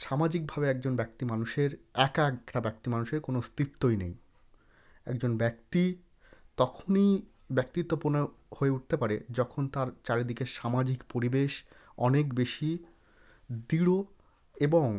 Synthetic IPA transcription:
ʃamad͡ʑik̚bʱabeɛk̚d͡ʑonbɛkt̪imanuʃeɾɛkɛkʈabɛk̚t̪imanuʃeɾkonost̪ɾip̚t̪ːojnḛj | ɛ̰kd͡ʑonbɛk̚t̪i | t̪ɔkʰonij | bɛk̚t̪it̪ːoponehoeuʈ̚t̪epaɾed͡ʑɔkʰont̪aɾt͡ɕaɾed̪ikeʃamad͡ʑikpoɾibeʃ | ɔnekbeʃi | d̪iɽo | eboŋ

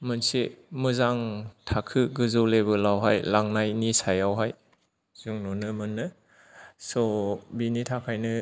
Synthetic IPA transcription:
mɯnsemɯzaŋtʰakʰɯɡɯzɔlebɯlawɦajlaŋnajnisajawɦaj | z̥uŋnɔnɯmɯnːɯ | sɔbinitʰakʰajnɯ

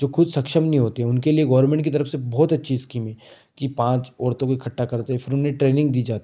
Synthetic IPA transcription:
d͡ʒoːkʊd̪ʱsɐkʃəmnĩɦoːt̪eɦɛ̃ʊnkelieɡɐːʋəɾmẽːɳʈ̚kit̪̬ɐɾəfsebɔːt̪ɐtːʃʰiɪskiːmɛ̃ː | kipãːt͡ʃɔːɾt̪õkikʰɐʈːakɐɾt̪aɦɛfʰɪɾʊneʈɾeːnɪ̃ŋɡd̪iːd͡ʒaːt̪i

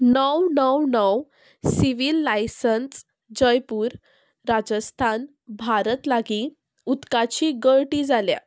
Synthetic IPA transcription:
nəwnəwnəw | siʋilːajsəns | d͡ʑəjpuːɾː | ad͡zəst̪ʰan | bʱaɾət̪laɡi | ut̪kat͡ɕiɡəɭʈiːd͡zalja̰

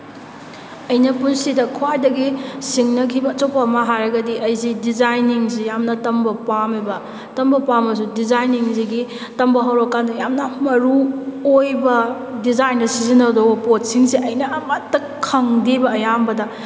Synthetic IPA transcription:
ɐjnɐpunsidɐkʰwajdɐɡisiŋnɐkʰibɐːt͡ʃɐwpɐːmɐɦajɾɐɡɐdiʔɐjzidizajniŋs̬ijamnɐtɐmbɐpamibɐ | tɐmbɐpamɐs̬udizajniŋziɡi | tɐmbɐɦɐwɾɔokːandɐjamnɐmɐɾuojbɐ | dizajndɐsizinɐdobɐpot̚siŋsiʔɐjnɐːmɐtːɐ | kʰːɐŋdibɐːjambɐdɐ

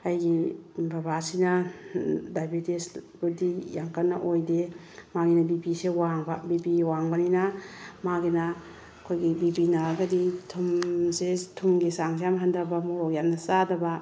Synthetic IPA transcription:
ajɡibabasinɐ | dajbitesbudijaŋkanːaʔojde | maɡinɐbibisewaŋbabibiwaŋbɐninamaɡina | kʰojɡibibinaɾɡɐditʰumsetʰumɡisaŋs̬ejamɦandɐbɐmɔɾok̚jap̚nɐsadɐbɐ

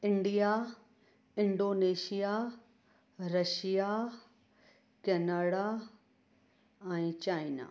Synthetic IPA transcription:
ɪ̃ɳɖija | ɪ̃ɳɖoːneːʃija | ɾɐʃija | kɛːnaːɽa | ɛ̃ːt͡ɕaːina̰ː

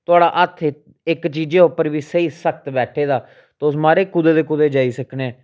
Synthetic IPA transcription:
t̪ʊaːɽaːʔət̪ʰ | ɪkt͡ʃiːd͡ʒeːʊpːəɾʋiːsəiːsək̚ʰt̪bɛːʈʰeːd̪aː | t̪ːʊsmaːɾeːkʊd̪eːd̪eːkʊd̪eːd͡ʒaːiːsəkneː

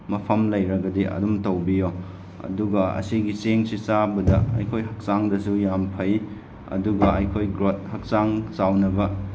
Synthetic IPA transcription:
mɐpʰɐmlɐjɾɐɡɐdiɐ̰dumtɐwbijo | ɐ̰duɡɐɐ̰siɡiseŋsisabɐdɐɐ̰jkʰojɦɐk̚saŋdɐsujampʰɐj | ɐ̰duɡɐɐ̰jkʰojɡɾot̚hɐk̚saŋsawnɐbɐ

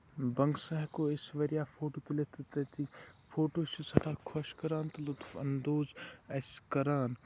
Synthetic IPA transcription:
bɐŋɡsɐɦkoɪsʋɐɾijaːfʰoːʈoːt̪ulet̪ɐt̪et̪i | fʰoːʈoːt͡ʃʰisɐʈʰaːkʰɐʃkɐɾaːnt̪ɐlut̪fɐ̰nd̪oːzɐskɐɾaːn

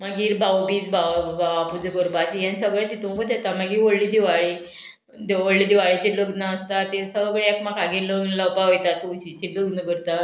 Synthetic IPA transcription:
maɡiːɾbʱawpiːt͡sbʱaʋabaʋapud͡zəɡoɾbat͡ɕijãnsəɡɭet̪it̪ũmkəd̪et̪amaɡiːʋoɽliːd̪iʋaɭi | d̪eʋoɭliːd̪iʋaɭit͡ɕiloɡnaəst̪at̪esəʋɡɭeekmakʰaɡiləɡnləwpaɦojt̪at̪uɕit͡ɕiləɡnəɡəɾt̪a

